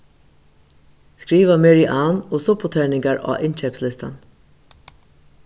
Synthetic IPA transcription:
skɹiːʋamɛɹiʔaːnosʊpʊt̪ʰeːɳɪŋkaɹɑ̰ːʔɪnt͡ʃɛpslɪst̪a̰n

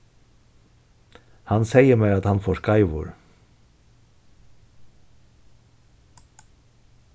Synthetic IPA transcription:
hɑnseɪjəɾmɛat̪hɑnfoːskɑɪʋʊ̰ɾ

